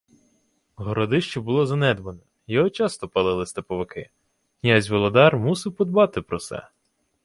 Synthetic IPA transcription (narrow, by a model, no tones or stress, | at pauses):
ɦɔɾɔd̪ɪʃt͡ʃɔbʊlˠɔzɐnɛd̪ʋɐnɔ | jɔɦɔt͡ʃɑst̪ɔpɐlˠɪlˠɪst̪ɐpɔʋɪkɪ̰ | jɑzʲʋɔlˠɔd̪ɑrmusɪwpɔd̪bɑt̪ɪpɾɔsɛ̰